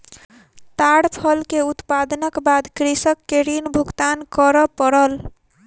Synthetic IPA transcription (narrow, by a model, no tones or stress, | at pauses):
t̪aɽpʰʌlkeut̪pad̪nəkbad̪kɾisʌkːeɾinbʱuɡt̪ankʌɾʌpəɽəl